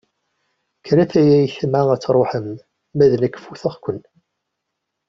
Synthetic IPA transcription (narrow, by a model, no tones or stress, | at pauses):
kːənæθæjæjçəmʕaæt͡sːɾˤoħəmː | æðnækːfuθəχkʷən